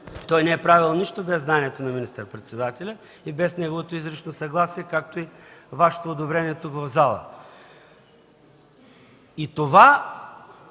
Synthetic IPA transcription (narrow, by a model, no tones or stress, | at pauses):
t̪ɔjnɛɛpɾavilˠniʃt̪obɛzːnaniɛt̪onɐminist̪əɾpɾɛt̪sɛd̪at̪ɛlʲə | ibɛsnɛɡovot̪oizɾət͡ʃnosɐɡlˠasiɛkak̚t̪oivaʃɛ̥t̪oːd̪obɾɛniɛt̪ukvɐvzalˠə̰ | it̪ova